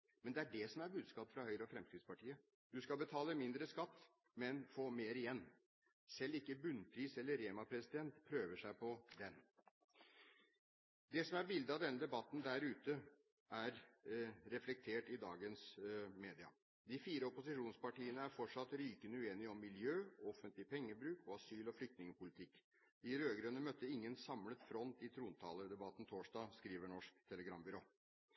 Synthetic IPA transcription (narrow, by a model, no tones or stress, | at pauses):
mɛnd̪ɛæɖɛsɔmæɾbʉːd̪skɑːpfɾɑhœʏɾəɔfɾɛmst̪ʰiːd̪spɑʈiːə | d̪ʉskɑbət̪ʰɑːləmɪnd̪ɾəskɑt̪ː | mɛnfoːmeːɾɪjɛnː | sɛlːɪkːəbʉnːpʰɾiːsɛlːəɾeːmɑpʰɾɛsɪd̪ɛnt̪pʰɾøːʋəʂæɪpɔd̪ɛn | d̪ɛsɔmæɾbɪld̪əɑʋd̪ɛnːəd̪ɛbɑt̪ːn̩d̪æɾʉːt̪ə | æɾ | ɾɛflɛk̚t̪ʰeːʈɪd̪ɑːɡənsmeːd̪ɪɑ̰ | d̪ɪfiːɾəɔpʊsɪʂuːnspɑʈiːənəæɾfɔʈʂɑt̪ːɾyːkənʉeːnɪɔmːɪljøːɔfənt̪lɪpʰɛŋːəbɾʉːkɔɑsyːlɔflʏkt̪nɪŋəpʊlɪt̪ʰɪkː | d̪ɪɾøːɡɾønəmœt̪ːəɪŋːənsɑmlət̪fɾɔnt̪ɪt̪ʰɾuːnət̪ʰɑ̰ːləɾd̪ɛbɑt̪ːn̩t̪ʰoːʂdɑːskɾiːʋəɳɔʂk̚t̪ʰɛləɡɾɑmbʏɾoː